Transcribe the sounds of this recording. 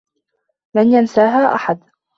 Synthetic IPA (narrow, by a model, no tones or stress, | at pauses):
lanjansaːɦaːʔa̰ħad̪